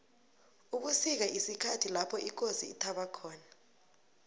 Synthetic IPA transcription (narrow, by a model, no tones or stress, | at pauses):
uɓusik̬aʔisikʰatʰilapʰɔʔik̬ʼosiːtʰaɓakʰɔːna